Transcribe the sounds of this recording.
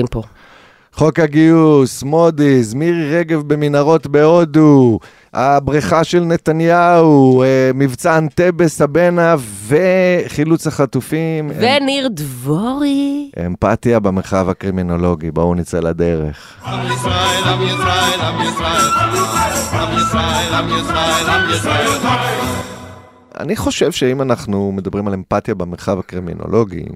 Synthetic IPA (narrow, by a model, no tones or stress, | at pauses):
po | χo̞khaɡiusmodizmiʁiʁeɡe̞vbe̞minaʁo̞tbe̞od̪u | ʔabʁiχaʃe̞lne̞t̪anjaumivt͡sant̪e̞be̞shabe̞nave̞χilut͡shaχat̪ufimveniʁd̪voʁiʔḛmpat̪jabemeʁχavakʁimino̞lo̞ɡibounit͡selad̪e̞ʁeχ | ʔa̰niχo̞ʃevʃeimanaχnume̞d̪abʁimalempat̪jabemeʁχavhakʁimḭno̰lʔo̞ɡḭ